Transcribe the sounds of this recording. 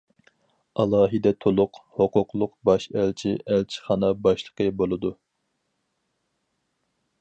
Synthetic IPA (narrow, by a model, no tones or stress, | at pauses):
ɑlˠɑːɦid̪ɛt̪ʰolˠʊqhoqʊqlˠʊqbɑʃælt͡ʃʰiʔælt͡ʃʰi̥χɑnɑbɑʃlˠə̥qəbolˠɨd̪u